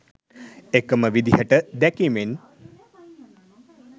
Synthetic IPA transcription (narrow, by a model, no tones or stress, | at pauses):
ekəməʋid̪iɦəʈəd̪ɛkimen